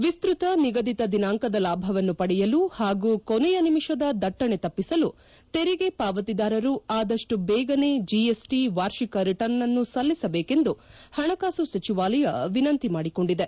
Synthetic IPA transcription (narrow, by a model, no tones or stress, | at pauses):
ʋist̪ɾut̪ɐniɡɐd̪it̪ɐd̪inaːŋkɐd̪ɐlaːbʱɐʋɐnːupɐɽɛjɐluhaːɡuːkonɛjɐnimiʂɐd̪ɐd̪ɐʈːɐɳe̞t̪ɐpːisɐlu | t̪e̞ɾiɡe̞paːʋɐt̪id̪aːɾɐɾuaːd̪ɐʂʈubɛːɡɐne̞d͡ʒiesʈiʋaːɾʂikɐɾiʈɐɾnːɐnːusɐlːisɐbeːke̞nd̪uhɐɳɐkaːsusɐt͡ʃiʋaːlɐjɐʋinɐnt̪imaːɽiko̞ɳɖid̪e